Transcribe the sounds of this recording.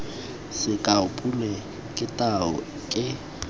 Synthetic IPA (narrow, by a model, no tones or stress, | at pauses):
sɪkʼaʊpʼulɛ | kʼɪtʼaɔ̰ | kʼɪ